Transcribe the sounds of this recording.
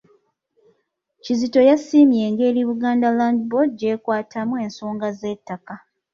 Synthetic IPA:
cizito̞jasiːmje̞ːŋɡe̞ːɾiβuɡaːndalandbodje̞ːkwaːtʰamwe̞ːnsoːŋɡaze̞ːtːaka

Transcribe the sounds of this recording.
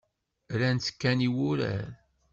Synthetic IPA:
ɾænt͡sːə̥kːæniwʊɾæ̰ɾ

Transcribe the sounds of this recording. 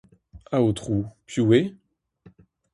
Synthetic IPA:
aot̪χupjuwe

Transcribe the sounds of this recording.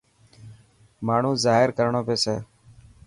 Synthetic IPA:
maːɳ̤ũːzaːɦɪɾkəɾɳõːpeːseː

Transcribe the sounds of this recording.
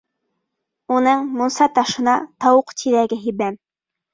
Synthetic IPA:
unɤɴmŏnsɑt̪ɑʃɤ̆nɑt̪ɑwɤqt̪ʰiðæɡɘɦibæm

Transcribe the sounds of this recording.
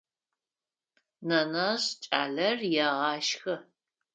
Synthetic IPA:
nɐnɐɕt͡ʃʼa̰ːɮɐrjɛʁɑːʃxɐ

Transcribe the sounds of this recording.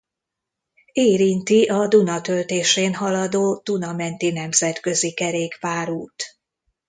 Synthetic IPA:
eːɾint̪iʔɒd̪unɒt̪ø̞lt̪eːʃeːnɦɒlɒd̪oːd̪̥unɒmɛnt̪inɛmzɛt̪kø̞zikɛɾeːkpaːɾuːt̪

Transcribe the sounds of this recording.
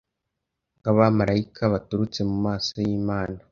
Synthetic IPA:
ɡaβamaɾaikʰaβatuɾut͡se̞mumaːsojiːmaːna

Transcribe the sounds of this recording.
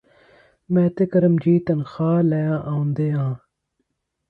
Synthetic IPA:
mẽːt̪ekɐɾɐmd͡ʑiːt̪ɐnxaːlɐjãːʔaũnd̪eːãː

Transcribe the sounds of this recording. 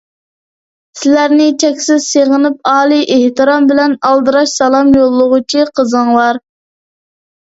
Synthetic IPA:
sɪlæɾnɪt͡ʃʰɛkʲsɪz̥seʁənɨp̚ɑːlˠiʔeht̪ɨɾɑmbɪlɛnɑlˠd̪ɨɾɑʃsɑlˠɑmjolˠːʊʁʊt͡ʃʰiqʰəzɨŋwɑɾ

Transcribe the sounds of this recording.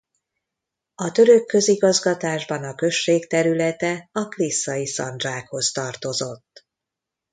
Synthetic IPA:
ɒt̪ø̞ɾøkːø̞ziɡɒzɡɒt̪aːʒbɒnɒkø̞ʃːeːkt̪ɛɾylɛt̪ɛɒklisːɒjisɒ̰nd̪ʒaːkho̞st̪ɒrt̪o̞zo̞t̪ː

